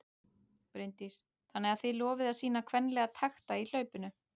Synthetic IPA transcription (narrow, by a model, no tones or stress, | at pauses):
pɾɪnt̪is | θanːɛɣaθɪlɔːvɪðasiːnakʰvɛnːlɛɣat̪ʰaxt̪ail̥œːɥpʏnʏ